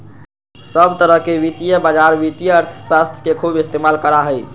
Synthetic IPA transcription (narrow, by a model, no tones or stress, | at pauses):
səbt̪əɾəɦkeʋit̪ijəbad͡ʒaɾʋit̪ijəːɾt̪ʰəsast̪ʰjə̥kekʰubist̪emalkəɾaɦəj